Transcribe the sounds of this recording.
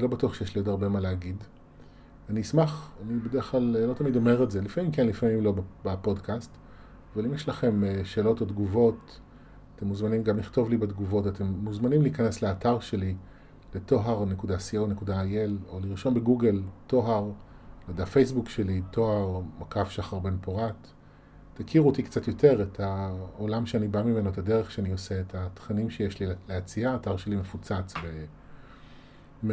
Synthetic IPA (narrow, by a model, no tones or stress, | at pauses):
zlo̞batuaχʃejeʃlijotaʁbe̞maleaɡid | aniismaχanibedeeχlalelo̞t̪amido̞me̞ʁezelifamimkenlifamimlo̞bebapo̞dkʰast | avalimjɛʃlaχe̞mʃe̞ːlo̞todɡuvo̞t | ate̞mːuzmanimɡamliχto̞vlibedɡuvo̞tate̞mːuzmanimliːkane̞sleataʁʃe̞li | le̞to̞ɦaʁnekudasiowne̞kudajeloliʁʃo̞nbeɡuɡe̞lto̞ɦaʁ | ladafe̞js̬bukʃe̞litʰo̞ɦaʁmakafʃaχaʁbe̞npoʁatː | akʰiʁuotikt͡satjo̞tʰe̞ʁetʰaolamʃeanibamime̞no̞etade̞ʁeχʃeanio̞se̞ːtat̪χanimʃejeʃlileat͡siaːtaʁʃe̞lime̞fut͡sat͡sbe | m